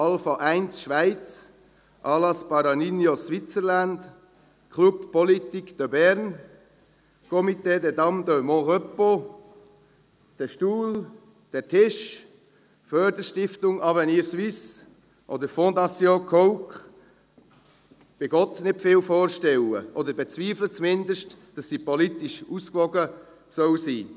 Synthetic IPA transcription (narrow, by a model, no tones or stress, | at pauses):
ɑlfɑʔæɪnsʃʋaɪt͡s | ʔɑːlɑspɑɾɑninjosʋɪt͡səɾland | kʰluppɔlit̪ikd̪̥əbɛɾn | kʰɔmit̪eːdɛdɑmd̪ømɔ̃ʁœpo | d̥ɛʃtuːl | d̥ɛɾtʰɪʃ | fœːɾdəɾʃtɪftʊŋɑvɛniːɾsʋis | ʔɔ̰dəɾfõd̪ɑsjõkʰɔʊk | b̥ɪɡɔt̪nɪtfɪːlfoːɾʃtɛwə̰ʔɔd̪əɾbɛt͡sviːflət͡smɪndəʃtd̥ɑsːipɔlit̪ɪʃuskʋɔɡə | sœwsiː